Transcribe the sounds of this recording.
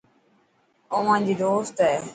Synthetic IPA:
oʋãːd͡ʑiːd̪oːst̪ɦɛː

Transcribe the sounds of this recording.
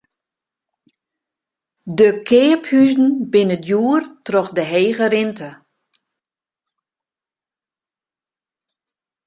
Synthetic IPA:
dəkʰɪːəphyzn̩bɪnədjuːrtrɔxdəɦeːɣəɾɪntʰə

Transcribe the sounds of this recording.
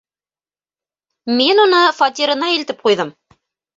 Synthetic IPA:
minunɤfɑt̪ʲiɾɤ̆nɑĭlt̪ɘp̚qujðɤm

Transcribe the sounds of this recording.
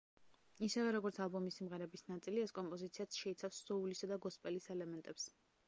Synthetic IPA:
isɛvɛɾɔɡɔɾt̪sʰalˠbɔmisimʁɛɾɛbisnat̪sʼiliɛskʼɔmpʼɔzit̪sʰiat̪sʰʃɛit̪sʰafsz̥ɔulisad̪aɡɔspʼɛlisɛlɛmɛnt̪ʼɛps

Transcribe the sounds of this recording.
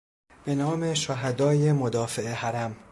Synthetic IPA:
b̥e̞nɒːme̞ʃoɦæd̪ɒːjemod̪ɒːfeehæɾæm

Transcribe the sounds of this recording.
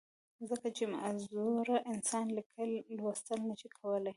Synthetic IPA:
zəkat͡ʃema̰ʔzuɾaʔɪnsɑnlikʰəlːwast̪əlnəʃikʰawəlaj

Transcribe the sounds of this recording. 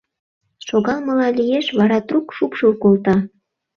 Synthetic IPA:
ʃoɣɑlmɤ̆lɑlʲijeʃβɑɾɑt̪rukʃupʃulkolˠt̪ɑ

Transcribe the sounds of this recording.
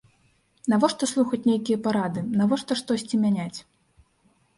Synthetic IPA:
navɔʂt̪ɔslˠuxɐt͡sʲnʲejkʲijɐpaɾad̪ɨnavɔʂt̪ɔʂt̪ɔsʲt͡sʲimʲanʲat͡sʲ

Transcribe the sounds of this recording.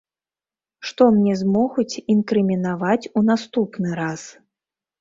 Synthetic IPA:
ʂt̪ɔmnʲɛzmɔɣut͡sʲinkɾɨmʲinavat͡sʲunast̪upnɨɾas

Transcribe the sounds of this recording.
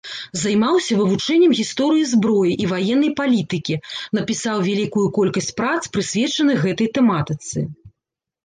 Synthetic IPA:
zɐjmawsʲɐvɨvut͡ʂɛnʲːɛmɣʲist̪ɔɾɨjizbɾɔjiʔivajɛnːɐjpalʲit̪ɨkʲin̪ɐpʲisawvʲalʲikujukɔlʲkɐsʲt͡sʲpɾat̪spɾɨsʲvʲɛt͡ʂɐnɨjɣɛt̪ɐjt̪ɛmat̪ɨt̪sɨ̰

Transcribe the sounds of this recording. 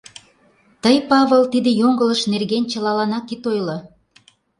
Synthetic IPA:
t̪əjpɑβəlt̪id̪ĕjoŋɡə̆lə̆ʃnerɣenʲt͡ɕə̆lɑlɑnɑkːit̪ojlɤ

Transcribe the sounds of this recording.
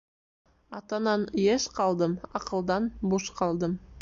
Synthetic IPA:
ɑt̪ɑnɑnjeʃqʰɑlˠd̪əmɑqəlˠd̪ɑnbuʃqʰɑlˠd̪əm

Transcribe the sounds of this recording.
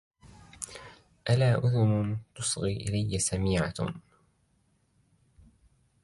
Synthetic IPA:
ʔalaːʔʊðʊnʊt̪ʊsˤɣiːʔɪ̰lajːasamiːʕa̰

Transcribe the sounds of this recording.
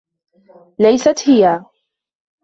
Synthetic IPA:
lajsat̪hɪja

